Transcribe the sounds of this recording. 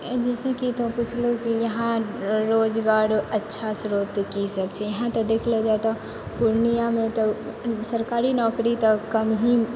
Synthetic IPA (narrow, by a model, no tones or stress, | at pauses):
d͡ʒɛsẽkit̪ɔput͡ʃʰlokijəɦãɾod͡ʒɡaɾətːʃʰasɾot̪kisəbt͡ʃʰɛjəɦãt̪ɔd̪ekʰlɛd͡ʒaet̪ɔ | puɾnijamẽt̪ɔsəɾkaɾinɔkɾit̪ɔkəmɦĩ